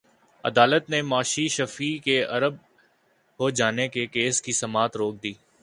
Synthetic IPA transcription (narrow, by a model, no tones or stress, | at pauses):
ɐ̰d̪aːlət̪nemaːʃiʃɐfikeɐɾəb̚ | ɦod͡ʒaːnekekeːskisɐmaːt̪ɾoːk̚d̪iː